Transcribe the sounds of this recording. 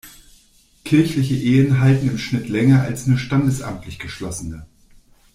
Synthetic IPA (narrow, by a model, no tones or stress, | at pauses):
kʰɪɐçlɪçəʔeːənɦaltn̩ɪmʃnɪtʰlɛŋɐa̰lsnuːɐʃtandəsʔa̰mtʰlɪçɡ̥əʃlɔsənə